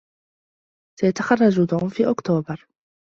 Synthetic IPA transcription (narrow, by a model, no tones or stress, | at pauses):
sajat̪axɑrˤːɑd͡ʒʊd̪ʕʊfiːʔʊkt̪oːbɑɾˤ